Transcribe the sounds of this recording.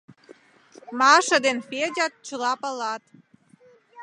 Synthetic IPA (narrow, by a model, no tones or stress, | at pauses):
mɑʃə̆d̪enfed͡ʑɑt̪̚t͡ɕəlɑpəlɑt̪